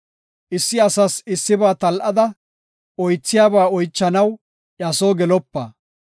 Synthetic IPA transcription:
ʔɪsːɪɐsɐsɪsːɪbaːt̪ɐlʔɐd̪ɐ | ɔjt͡sːɪjaːbaːɔjt͡ʃːɐnɐw | ʔɛɐsoːɡɛlɔpːɐ

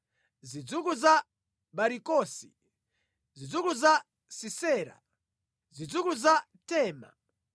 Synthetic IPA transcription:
zid͡zukuza | ɓaɾikɔːsḭ | zid͡zukuza | sisɛːɾa̰ | zid͡zukuza | tɛːma̰

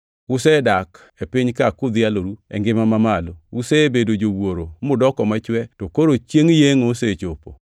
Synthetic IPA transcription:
ʊsɛdak | epɪɲkakʊd̪ɪaloɾuɛ̰ŋɡɪmamamaloʊsebedod͡ʒowoɾomʊdɔkɔmat͡ʃwɛtokoɾot͡ʃjeŋjeŋoset͡ʃopo

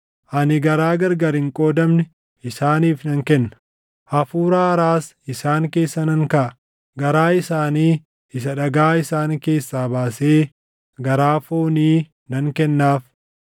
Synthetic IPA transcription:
ʔɐnɪɡɐɾaːɡɐɾɡɐɾɪŋkʼo̞ːd̪ɐmnɛ | ʔɪsaːniːfnɐŋkɛnːɐ̥ | ʔɐfuːɾaːɐɾaːs | ɪsaːŋke̞ːsːɐnɐŋkɐʔɐ | ɡɐɾaːɪsaːniː | ɪs̬ɐᶑɐɡaːɪsaːŋke̞ːsːaːbaːseː | ɡɐɾaːfoːniː | nɐŋkɛnːaːf

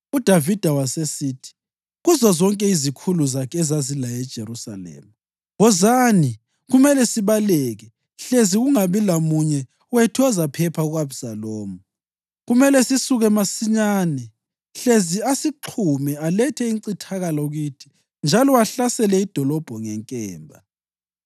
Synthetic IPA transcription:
ud̥ʱavid̥ʱawasesiːtʰi̥ | ɣuzɔzɔŋkʼɛizikʰuluzakʰɛzazilajɛd̥ʒ̥ʱeɾusa̰lɛ̰ːma | ɣɔzani | ɣumɛlɛsiβalɛːɣɛ | ɬeziɣuŋaβilamuɲɛ | wɛtʰɔzapʰɛpʰauɣwabsaloːmu | ɣumɛlɛsisuɣɛmasiɲaːnɛ | ɬeziasiǃʰumɛalɛtʰɛiǀitʰaɣalɔuɣuːtʰi̥ | nd͡ʒʱalɔwaɬasɛlɛid̥ʱɔlɔb̥ʱɔŋɛŋkʼɛːmbʱa̰

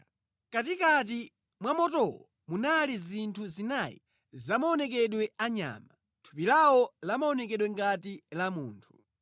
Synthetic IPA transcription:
katikat̬i | mwamɔtɔwɔ | munalizintʰuzinajḭ | zamaɔnɛkɛɗwɛaɲa̰ːma | tʰu̥pilawɔlamaɔnɛkɛɗwɛŋɡatilamuːntʰu̥

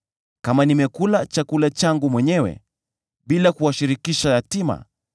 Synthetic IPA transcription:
kamanimɛkulat͡ʃakulat͡ʃaŋɡumwɛɲɛwɛ̰ | ɓilakuwaʃiɾikiʃaatima̰

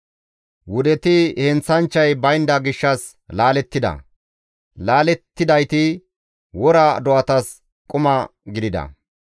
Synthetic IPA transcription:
wʊd̪ɛt̪ɪhɛnt͡sːɐnt͡ʃːɐjbɐjnd̪ɐɡɪʃːɐs | laːlɛt̪ːɪd̪ɐ̰ | laːlɛt̪ːɪd̪ɐjt̪ɪ | wɔɾɐd̪ɔɐt̪ɐs | kʼʊmɐɡɪd̪ɪd̪ɐ̰

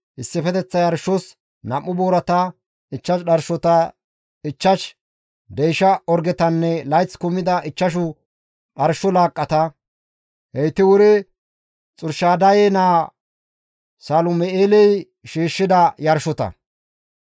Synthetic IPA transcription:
ʔɪsːɪfɛt̪ɛt͡sːɐjɐɾʃːɔs | nɐmːʊboːɾɐt̪ɐ | ɪt͡ʃːɐʃɗɐɾʃɔt̪ɐ | ɪt͡ʃːɐʃ | d̪ɛjʃɐɔɾɡɛt̪ɐnːɛlɐjt͡sːkʊmːɪd̪ɐʔɪt͡ʃːɐʃ̬ʊ | ɗɐɾʃɔlaːkʼːɐt̪ɐ | hɛjt̪ːɪwʊɾɛ | t͡sʼʊɾʃaːd̪ɐjenaː | saːlʊmɛʔeːlɛj | ʃiːʃːɪd̪ɐjɐɾʃɔt̪ɐ̰

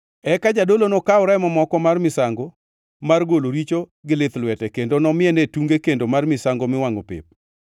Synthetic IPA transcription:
ɛkad͡ʒadolonokaʊɾaɪmɔmɔkɔmarmɪsaŋɡo | marɡoloɾit͡ʃoɡɪlɪt̪lwɛtɛkendonɔmɪɛnetuŋɡekendomarmɪsaŋɡomɪwaŋopɪ̰p̚

